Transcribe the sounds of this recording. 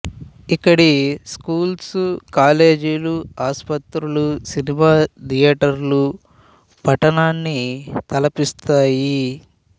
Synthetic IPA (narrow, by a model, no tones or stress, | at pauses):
ikːɐɽiskuːlskaːle̞ːd͡ʒiluaːspɐt̪ɾulusinimaːd̪ijɛːʈɐɾlu | pɐʈɐnaːnːit̪ɐlɐpist̪aːji